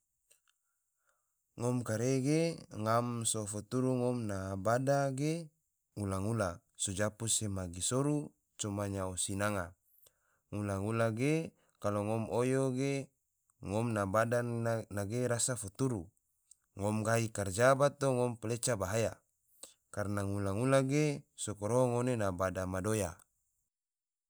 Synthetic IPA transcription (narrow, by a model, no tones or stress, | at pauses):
ŋɔmkaɾeɡeŋamsofot̪uɾuŋɔmnabadaɡe | ulaŋula | sod͡ʒapusemaɡisoɾu | t͡ʃomaɲaosinaŋa | ŋulaŋulaɡe | kaloŋɔmojoɡe | ŋɔmnabadanaɡeɾasafut̪uɾu | ŋɔmɡaikard͡ʒabat̪oŋɔmpelet͡ʃabaɦaja | karnaŋulaŋulaɡesokoɾoɦoŋonenabadamadoja